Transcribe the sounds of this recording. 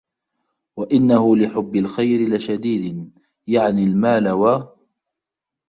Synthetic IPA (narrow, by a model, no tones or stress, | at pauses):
waʔɪnːahʊlɪħʊbːɪlxajɾɪlɪʃad̪iːd̪ɪ | jaʕnɪlmaːlawa